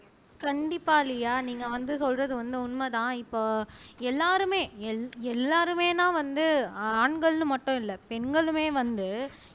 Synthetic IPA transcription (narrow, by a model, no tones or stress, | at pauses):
kɐɳɖɪpːaːɪlɐjaːniːŋɡɐʋɐnd̪ɯsɔlrɐðɯʋɐnd̪ɯʊnmɐt̪ãːɪpːoːɛlːaːɾɯmeːɛɛlːaːɾɯmeːnãːʋɐnd̪ɯaːɳɡɐɭnɯ̃mɐʈːʊ̃ɪlːɐpɛnɡɐɭɯmeːʋɐnd̪ɯ